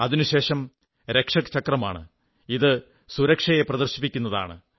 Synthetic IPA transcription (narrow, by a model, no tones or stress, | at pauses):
ɐðinuɕe̞ːʂɐm | ɾekʂɐkt͡ɕɐkrɐma̰ːɳɨ̰ | iðɨ | suɾɐkʂɐje̞prɐðɐrɕipːikʲːunːɐða̰ːɳɨ̰